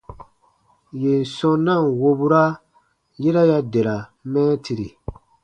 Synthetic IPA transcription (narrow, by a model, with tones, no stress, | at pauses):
je˨n̩˨sɔ̃˦nã˦˨wo˧bu˦ɾa˦ | ji˦ɾa˦ja˦de˨ɾa˨mɛ̃ː˦ti˧ɾi˨